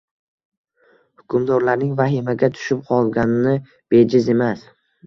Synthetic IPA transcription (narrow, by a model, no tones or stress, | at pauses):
hʊkʰʊmd̪ɒɾlaɾnɪŋvaɦɪmaɡʲat̪ʰʊ̥ʃɪp̚qʰɒlˠɡʲanɪnɪ | b̥e̞d͡ʒɪze̞mas